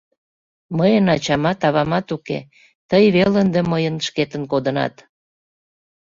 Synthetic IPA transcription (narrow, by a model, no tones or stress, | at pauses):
məjənɑt͡ɕɑmɑt̪ɑβɑmɑt̪ukḛ | t̪əjβelənd̪eməjənʃket̪ənkod̪ənɑ̰t̪